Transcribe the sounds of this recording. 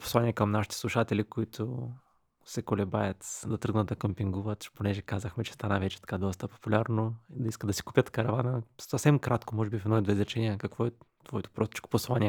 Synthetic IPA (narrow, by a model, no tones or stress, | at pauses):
po̥sˠanʲiɛkɐmnaʃit̪ɛ̥slˠuʃat̪ɛlʲikoit̪ʰʊ | sɛkolɛbajət̪d̪ɐt̪ɾɤɡnət̪d̪ɐkɐmpiŋɡuvət̪ponɛʒɛkazəxmɛt͡ʃɛ̥st̪anəvɛt͡ʃɛ̥t̪ɐ̥kad̪ɔst̪əpo̥pulʲaɾnoid̪ɐiskətd̪ɐsi̥kupjət̪kɐɾɐvanəsɐfsɛmkɾat̪komɔʒɛbifɛd̪ɔid̪vɛzɾɛt͡ʃɛniɐkɐkvɔɛt̪vɔɛt̪o̥pɾɔst̪i̥t͡ʃko̥poslˠanʲiɛ